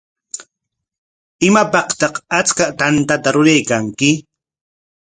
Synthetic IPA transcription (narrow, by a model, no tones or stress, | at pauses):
ɪmapɑqt̪ɑqat͡skat̪ant̪at̪aɾʊɾajkaŋkɪ